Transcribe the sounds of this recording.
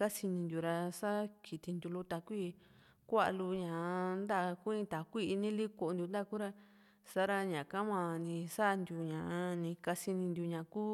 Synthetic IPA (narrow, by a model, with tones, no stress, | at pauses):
ka˦si˧nĩ˧nd̪ju˨ɾa˧sa˦kʰi˨t̪i˧nd̪u˧lu˧t̪a˧kʷi˦ | kʷa˦ʔa˧lu˧ɲã˨nd̪a˦˧ku˦ĩ˧˦t̪a˨kʷi˦˧nĩ˦li˦ko˧nd̪ʲu˧nd̪a˦˧ku˦ɾa˧ | sa˦ɾa˧ɲã˨kã˦mã˧˨nĩ˧sa˦˧nd̪ʲju˧ɲã˨˧nĩ˧ka˧si˧nĩ˧nd̪ʲu˧ɲã˨ku˦